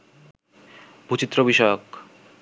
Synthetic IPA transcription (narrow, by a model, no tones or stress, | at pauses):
bʱut͡ɕit̪ːɾobiʃɔeok